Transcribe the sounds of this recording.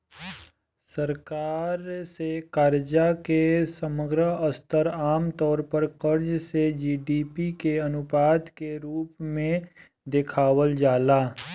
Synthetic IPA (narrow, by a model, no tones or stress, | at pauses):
səɾkaːɾsekaːɾd͡ʒakesəməɡɾəəst̪əɾaːmt̪ɔːɾpəɾkəɾd͡ʒsed͡ʒiːɖiːpikeɐnʊpaːd̪keɾuːpmẽ | d̪ɪkʰaːwəld͡ʒaːlaː